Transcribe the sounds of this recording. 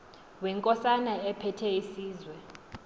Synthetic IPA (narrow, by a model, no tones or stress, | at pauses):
wɛŋkʼɔsanaɛpʰɛtʰɛisiːzwɛ